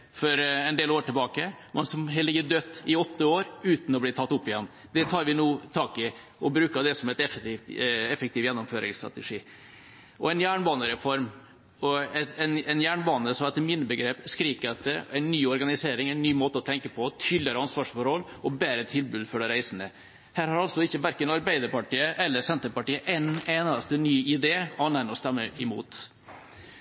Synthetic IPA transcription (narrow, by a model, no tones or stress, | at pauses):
fɔɾɛɪnd̪eːloːɾʈɪlbɑːkəmɛnsɔmɦɛlːɪɡəd̪øt̪ːɪɔt̪ːəoːɾʉːt̪n̩ɔbliːt̪ʰɑt̪ːʊpːɪjɛnː | d̪ɛt̪ʰɑːɾʋɪnuːt̪ʰɑːkɪ | ɔbɾʉːkəd̪ɛsɔmɛt̪ɛf | ɛfək̚t̪ɪːʋjɛnːʊmføːɾɪ̰ŋst̪ɾɑ̰t̪əʂiː | ɔɛɪnjæːɳbɑːnəɾɛfɔɾm | ɔɛɛnɛnjæːɳbɑːnəsɔmɛt̪ːəmɪnːəbəɡɾeːpskɾiːkəɑt̪̚əæɪnːyːɔɾɡɑnɪseːɾɪŋæɪnːyːmoːt̪əɔt̪ʰɛŋkəpʰɔt̪ʰyːlːəɾəɑnsʋɑːʂfɔɾhɔlɔbeːɾət̪ʰɪlbʉːd̪fɔɖəɾæɪsənə | hæːɾhɑɾɑlsɔɪçəʋæɾkənɑɾbæɪd̪əɾpɑʈiːəʔɛlːəsɛnt̪əɾpɑʈiːəʔɛɪneːnɑst̪ənyːɪd̪eːɑnænɔst̪ɛmːəʔɪmṵːt̪